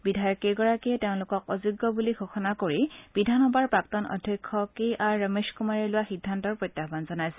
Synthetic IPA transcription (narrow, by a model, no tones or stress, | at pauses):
bidʱajɔkekɔɹakiɛteʊ̃lʊkɔkɔzuɡːɔbuliɡʱoxɔnakoɹib̥idʱanɔbaɹpɹaktɔnɔ̰dʱjɔkʰːɔkeʔaɹːəmeskumaɹiɹlʊwaxidʱːantɔɹpɹojtːabanzɔnajsɛ